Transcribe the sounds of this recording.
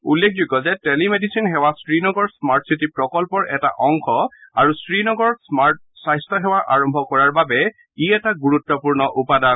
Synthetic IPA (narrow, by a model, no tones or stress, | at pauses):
ulːek̚ʰd͡ʒuɡɔzɛtɛlimedisinɦɛwastɹinɔɡɔɹsmaɹtsitipɹɔkɔlpɔɹʔɛta̰ʔɔŋkʰɔaɹustɹinɔɡɔɹsmaɹt | sajstʰɔɦɛwaɹʔa̰ɹɔmbʱɔkɔɹaɹbabɛ | iɛtaɡuɹutːɔpuɹnɔʔupada